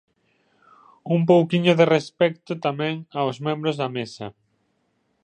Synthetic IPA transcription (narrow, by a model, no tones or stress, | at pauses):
ump̬owkiɲʊðerespɛk̚t̪ʊt̪amɛ̃ŋaozmɛ̃mbɾʊzðɐmesɐ